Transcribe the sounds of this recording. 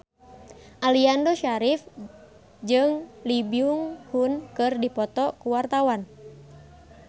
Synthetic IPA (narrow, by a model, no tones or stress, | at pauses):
ʔaliandɔʃaɾif | d͡ʒɨŋlibiuŋhunkɨrdipɔt̪ɔkuwart̪awan